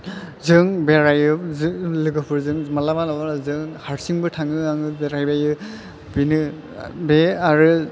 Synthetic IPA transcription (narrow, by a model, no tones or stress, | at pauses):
zɯŋbeɾajɯzɯlɯɡɯpʰɯɾzɯŋmalamanabazɯŋhaɾsiŋbɯtʰaŋɯaŋɯbeɾajbajɯ | binɯ | beaɾɯ